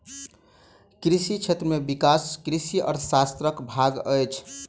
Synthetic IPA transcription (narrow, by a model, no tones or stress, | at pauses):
kɾisit͡ʃʰet̪ɾəmebikaskɾisiʔɔ̰ːɾsast̪ɾəkbʱaɡəjt͡ʃʰ